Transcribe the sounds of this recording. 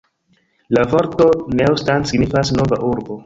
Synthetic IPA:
lavo̞ɾto̞newstansiɡnifasno̞vaʔuɾbo̞

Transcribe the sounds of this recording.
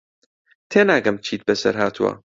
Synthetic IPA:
t̪ʰeːnaːɡɐmt͡ʃʰiːt̪̚bɐsɐ̰ɾɦaːt̪ʰuwɐ̰

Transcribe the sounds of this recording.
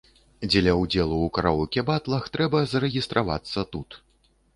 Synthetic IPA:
d͡zʲɛlʲɐwd͡zʲɛlˠuːkaɾawukʲɛbat̪lˠɐxt̪ɾɛbɐzɐɾɛɣʲist̪ɾʔava̰t̪sːɐt̪ut̪

